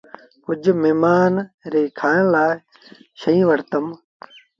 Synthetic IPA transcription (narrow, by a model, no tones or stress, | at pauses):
kʊd͡ʒmeːmaːnɾeːkʰãːnlaː | ʃəĩːʋəɾt̪əm